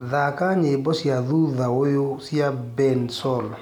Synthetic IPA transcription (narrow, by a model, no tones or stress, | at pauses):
ðakaɲebɔsjaðuðaojosiabɛnsɔl